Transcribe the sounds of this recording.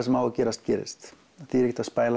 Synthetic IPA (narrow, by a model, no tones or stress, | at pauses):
smaːwakeːɾast̪̚keɾɪ̰st̪ | θiɾikt̪aspajl